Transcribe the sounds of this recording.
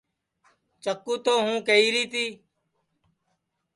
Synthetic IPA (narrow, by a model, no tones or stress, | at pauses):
t͡ʃəkːuːt̪oːɦũːkəiːɾiːt̪iː